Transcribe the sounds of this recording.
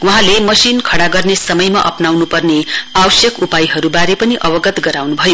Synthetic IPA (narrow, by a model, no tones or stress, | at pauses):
uɦãlemʌsinkʰʌɽaɡʌrnesʌmʌjmaʔʌ̰pnawnupʌrneawʌsjʌkupajɦʌɾubaɾepʌniʔʌbʌɡʌt̪ɡʌɾawnubʱʌjo